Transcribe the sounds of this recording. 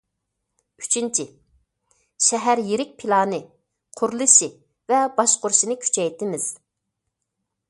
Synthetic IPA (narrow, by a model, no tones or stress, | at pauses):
y̥t͡ʃʰint͡ʃʰi | ʃɛɦæɾjeɾɪk̚ʲpʰilˠɑːnɨ | qʰʊɾlˠɨʃi | vɛbɑʃqʊɾʃinɨkʲʰy̥t͡ʃʰɛjt̪ʰɪmɪz̥